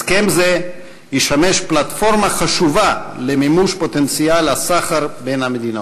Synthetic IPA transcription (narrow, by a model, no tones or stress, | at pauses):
skemze | jiʃameʃplat̪fo̞ʁmaχaʃuvalemimuʃpot̪ent͡sialhasaχaʁbenhamed̪ino